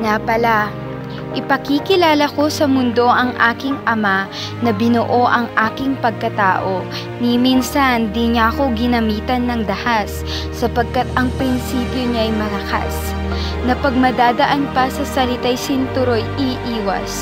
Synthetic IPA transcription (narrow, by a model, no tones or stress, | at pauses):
ŋapɐla | ʔɪpɐkikɪlaːlɐko̞sɐmʊnd̪o̞ʔɐŋʔaːkɪŋʔɐma | nɐbɪnʊʔo̞ʔɐŋʔaːkɪŋpɐɡ̚kɐt̪a̰ːʔo̞ | niminsɐnd̪iɲaɐko̞ɡɪnɐmiːt̪ɐnːɐŋd̪ɐhasː | ɐpɐɡ̚kat̪ɐŋpɾɪnsiːpjoɲaʔɐjmɐlɐka̰s | nɐpɐɡ̚mɐd̪aːd̪ɐʔanpɐsɐsɐlɪt̪ajsɪnt̪ʊɾojʔiʔiːwɐ̰s